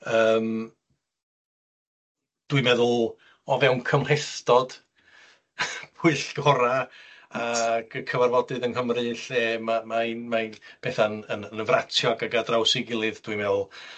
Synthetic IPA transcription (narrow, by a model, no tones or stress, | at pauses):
əːm | d̥wɨmɛðʊlˠ | ɔvɛwnkʰəmr̥ɛθtɔd̥ | b̥ʰʊɨɬɡ̥ɔɾaaɡ̥əkʰəvarvɔdɨðənɦəmrɨɬeːmamaɨnmaɨnb̥ʰɛθanənənəvratʰjɔɡaɡadrawsɪɡɪlˠɨðd̥wɨmɛðʊlˠ